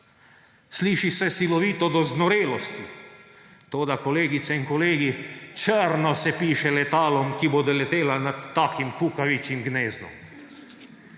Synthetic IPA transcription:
sliːʃisɛsilɔʋiːt̪ɔd̪ɔznɔɾeːlɔst̪i | t̪oːd̪akoleːɡit̪sɛiŋkɔleːɡit͡ʃəɾnɔsɛpiːʃɛlɛt̪aːlɔmkibod̪ɛlɛt̪eːlanat̪ːaːkimkuːkaʋit͡ʃimɡneːznɔ̰m

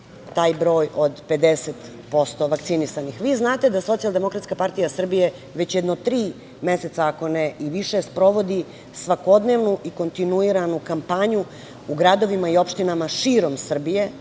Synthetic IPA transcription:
t̪aːjbɾo̞ːjʔo̞d̪pe̞d̪eset̪ | po̞st̪o̞ʋakt̪sinisanixʋiːznaːt̪e̞d̪aso̞t̪sijalˠd̪e̞mo̞kɾat̪skapaɾt̪ijasr̩bije̞ | ʋet͡ɕjed̪not̪ɾiː | meset̪saːko̞neiʋiʃespɾo̞ʋo̞d̪i | sʋako̞d̪ne̞ʋnuʔiko̞nt̪inuiɾanukampaɲu | uɡɾad̪o̞ʋimaiopʃt̪inamaʃiːɾo̞msr̩bije̞

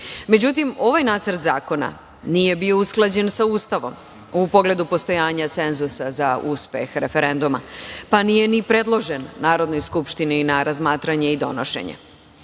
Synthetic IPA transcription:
me̞d͡ʑut̪imo̞ʋajnaːt̪səɾt̪zaːko̞na̰ | nije̞bio̞usklˠad͡ʑe̞nsauːst̪aʋo̞̰m | upo̞ɡle̞d̪upo̞st̪o̞jaːɲat̪se̞nzusazauspe̞̰xɾe̞fe̞ɾe̞nd̪uma̰panije̞nipɾe̞d̪lˠo̞ʒenːaːɾo̞d̪no̞jskupʃt̪ininaɾazmaːt̪ɾaɲe̞id̪o̞̰noʃe̞̰ɲḛ

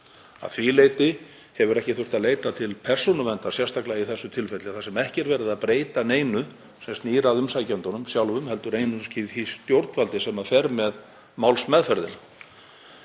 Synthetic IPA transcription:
a̰ðθvilejt̪ɪ | hɛvʏɾɛhcɪθʏr̥t̪aðleːjt̪at̪ʰɪlpʰɛr̥sɔnʏvɛnt̪ḁsjɛrst̪aklaɣaiθɛsːʏt̪ʰɪlfɛt̪lɪaθasɛmɛhcɛɾvɛːɾɪðaðpɾeːjt̪aneːjnʏ | sɛmst̪niːɾaðʏmsajcɛnt̪ɔnʏmsjawlvʏmhɛlt̪ʏɾejnʏsciθist̪jowɾt̪nfalt̪ɪsɛmafɛɾmɛð | mawlsmɛðfɛɾðɪna

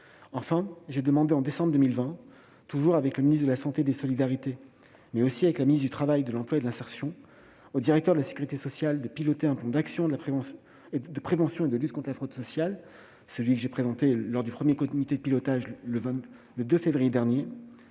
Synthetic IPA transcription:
ɑ̃fɛ̃ʒed̪əmɑ̃d̪eɑ̃d̪esɑ̃bʁd̪əmilvɛ̃ | t̪uʒuʁavɛkləminisd̪əlasɑ̃t̪ed̪esɔlid̪aʁit̪e | mɛosiavɛklaminis̬d̪yt̪χavajd̪əlɑ̃plwaed̪əlɛ̃sɛʁsjɔ̃ | od̪iʁɛk̚t̪œʁd̪əlase̥kʲyʁit̪esɔsjald̪əpilɔt̪eɛ̃plɑ̃d̪aksjɔ̃l | d̪əpχevɑ̃sjɔ̃ed̪əlyt̪̚kɔ̃t̪χəlafχod̪sɔsjal | səlɥikəʒepχezɑ̃t̪elɔʁd̪ypχəmjekɔmit̪ed̪əpilɔt̪aʒləvɛ̃ | ləd̪øfevʁijed̪ɛʁnje

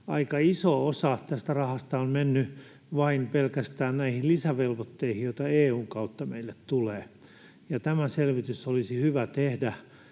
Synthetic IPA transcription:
ɑikɑisoosɑt̪æst̪ærɑhɑst̪ɑonmenːy | ʋɑinpelkæst̪æːnnæihillisæʋelʋot̪ːeihijoit̪ɑeːuːŋkɑut̪ːɑmḛilːet̪t̪uleː | jɑt̪æmæselʋit̪ysolisihyʋæt̪ehdæ

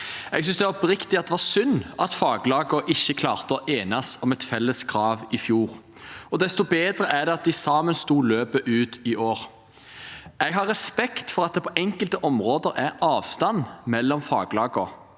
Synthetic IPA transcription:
ɛɡs̬ʏnsd̪ɛʋɑɔpɾɪkt̪ɪɑt̪d̪ɛʋɑsʏnːɑt̪fɑːɡlɑːɡʊʔɪçːəkʰlɑːʁt̪əɔʔeːnɑsɔmɛt̪fɛlːəskɾɑːʋɪfjuːɾ | ɔd̪ɛst̪ʊbeːd̪ɾəʔæɖ̪ɛɑt̪̚d̪ɪsɑːmənst̪uːløːpəʔʉːt̪ɪʔoːʁ | ɛɡɦɑɾːɛspɛkt̪fɔɾɑt̪̚d̪ɛpʰɔʔɛŋkəlt̪əʔɔmɾoːd̪əɾæɾɑːʋst̪ɑnmɛlːɔmfɑːɡlɑːɡɔ

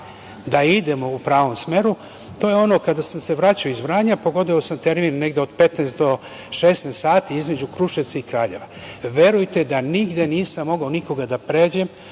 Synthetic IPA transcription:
d̪aid̪e̞mo̞upɾaːʋo̞msme̞ɾu | t̪o̞jeo̞nokad̪asamse̞ʋɾaːt͡ɕaoizʋɾaːɲapo̞ɡo̞d̪oosamt̪e̞ɾminːe̞ɡd̪eo̞d̪pe̞t̪neːst̪d̪o̞ | ʃeːsnest̪ːaːt̪iizme̞d͡ʑukɾuʃet̪saikɾaːʎe̞̰ʋaʋe̞ɾujt̪e̞d̪aniɡd̪eniːsamːo̞ɡaoniko̞ɡad̪apɾeːd͡ʑem

